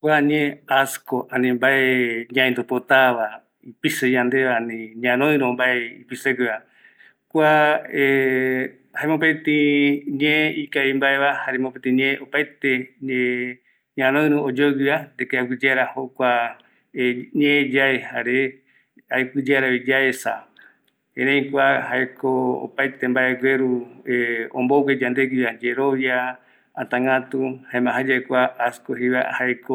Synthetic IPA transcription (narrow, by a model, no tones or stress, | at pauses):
kʷaɲẽaskoʔanĩmbaeɲãẽnd̪opot̪aʋa | ipisejãnd̪eʋaanĩɲãɾ̃õɨ̃ɾõmbaeipiseɡɨa | kʷae | haẽmõp̬et̪ĩɲẽikaimbaeβahaɾemopet̪ĩɲẽʔopajt̪ee | ɲãɾoɨ̃ɾɨ̃od͡ʒoɡɨad̪ekeakɨd͡ʒeɾahokʷa | ɲẽd͡ʒaehaɾe | ajkɨd͡ʒeɾaβid͡ʒaesa | ẽɾẽj̃kʷahaekoo̰pajt̪embaeɡʷweɾu | õ̰mbowed͡ʒand̪eɡɨad͡ʒeɾoβja | at̪ãŋɡãt̪uhaẽmãɦad͡ʒaekʷaaskoɦiβa̰haeko